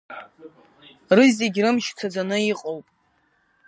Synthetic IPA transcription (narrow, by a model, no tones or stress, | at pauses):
rɨzʲeɡʲrɨmʃt͡sʷʰad͡zanɨiqʼowpʼ